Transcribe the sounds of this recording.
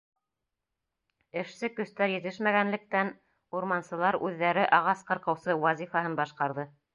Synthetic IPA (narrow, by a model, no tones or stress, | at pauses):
ɘ̆ʃsɘkɵ̆st̪æɾjɘ̆t̪ɘʃmæɡænlɘ̆k̚t̪æn | uɾmɑnsɤ̆lˠɑɾʉðːæɾɘʔɑʁɑsqɤ̆ɾqɤ̆wsɤwɑzʲifɑɦɤnbɑʃqɑɾðɤ